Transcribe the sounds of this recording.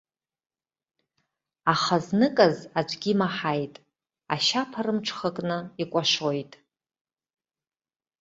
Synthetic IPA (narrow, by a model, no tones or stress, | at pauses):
aχaznɨkʼazad͡ʒʷʰʼɡʲimaħajtʼ | a̰ʃapʰarɨmʈ͡ʂʰχəkʼnɨikʷʼaʃojtʼ